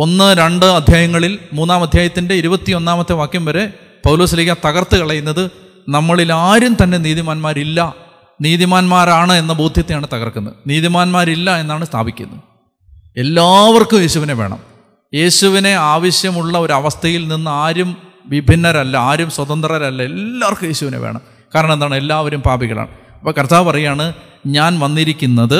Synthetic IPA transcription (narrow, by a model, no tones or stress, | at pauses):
o̞nːɨɾeɳɖɨɐd̪ʱjaːjɐŋːɐɭilmuːnːaːmɐd̪ʱjaːjɐt̪ːinde̞iɾubɐt̪ːio̞nːaːmɐt̪ːeʋaːkːjumʋɐɾe̞ | pɐwloːsilikʲːɐt̪ɐɣɐrt̪ːɨkɐɭɐjunːɐðɨ | nɐmːɐɭilaːɾumt̪ɐnːe̞niːðimaːnmaːɾilːɐ | niːðimaːnmaːɾaːɳɨe̞nːɐboːd̪ʱjɐt̪ːejaːɳɨt̪ɐɣɐ̰rkunːɐ̰niːðimaːnmaːɾilːɐe̞nːaːɳɨst̪ʰa̰ːbʱikʲːṵnːɐ | e̞lːaːʋɐrkumjeːɕuʋine̞ʋe̞̰ːɳɐ̰m | je̞ːɕuʋine̞aːʋɐɕjɐmuɭːɐo̞ɾɐʋɐst̪ʰɐjilninːɨaːɾum | ʋibʱinːɐɾɐlːɐaːɾumswɐd̪ɐnd̪rɐɾɐlːɐe̞lːaːrkumje̞ːɕuʋinḛʋḛːɳɐ̰m | kaːɾɐɳɐmenðaːɳe̞lːaːʋɐɾumpaːbiɣɐɭa̰ːɳɨ | ɐpːɐːkɐrt̪ʰaːʋɨpɐrɐjaːɳɨ | ɲaːnʋɐnːiɾikʲːunːɐðɨ